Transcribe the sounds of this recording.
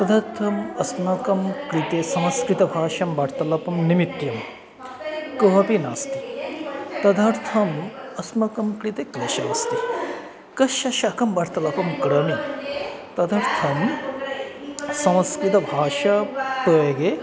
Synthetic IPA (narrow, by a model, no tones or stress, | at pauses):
t̪ɐd̪ʱɐɾt̪ʰɐmɐsnɐkɐmkɾit̪esɐmɐskɾit̪ɐbʱaːʃɐmbɐːɾt̪ɐlɐpɐmnimit̪jɐm | kɐɦɐpinaːst̪i | t̪ɐd̪ʱɐɾt̪ʰɐmɐsmɐkɐmkɾit̪ekɾɐʃɐjɐst̪i | kɐʃɐʃaːkɐmbɐːɾt̪ɐlɐpɐmkɾɐmi | t̪ɐd̪ʱɐɾt̪ʰɐm | sɐmskɾit̪ɐbʱaːʃɐpəjɐɡe